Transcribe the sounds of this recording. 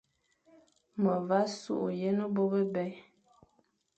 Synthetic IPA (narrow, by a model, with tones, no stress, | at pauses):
mə˨va˦sṵ˦ʔje˦nə˦bo˦bə˦bɛ˦